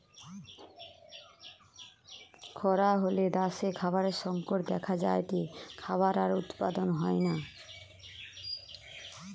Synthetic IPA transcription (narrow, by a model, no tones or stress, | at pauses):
kʰɔɾaɦoleɖ̪aʃekʰaβaɾeɾʃɔŋkoʈd̪ɛkʰad͡ʑaeʈikʰaβaɾaɾut̪pa̰d̪onɦɔena